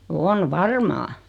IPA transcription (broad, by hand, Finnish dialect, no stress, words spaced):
on ʋɑrmɑː